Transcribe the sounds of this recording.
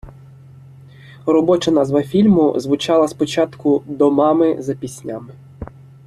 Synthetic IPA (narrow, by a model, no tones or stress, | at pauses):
rɔbɔt͡ʃɐnɑzʋɐfʲilʲmʊ̰zʋʊt͡ʃɑlˠɐspɔt͡ʃɑt̪kʊd̪ɔmɑmɪzɐpʲisʲnʲamɪ